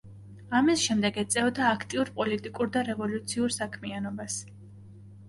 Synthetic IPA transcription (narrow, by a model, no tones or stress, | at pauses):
amisʃɛmd̪ɛɡɛt̪sʼɛvɔd̪aːkʰt̪ʼiuɾpʼɔlit̪ʼikʼuɾd̪aɾɛvɔlut̪sʰiuɾsakʰmianɔbas